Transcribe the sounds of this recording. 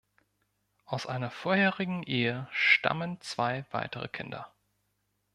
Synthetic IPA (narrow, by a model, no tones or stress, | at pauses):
ʔaʊsʔaɪnɐfoːɐheːʁɪɡŋ̩ʔeːəʃta̰mənt͡sv̥aɪv̥a̰ɪtəʁə̰kʰɪndɐ̰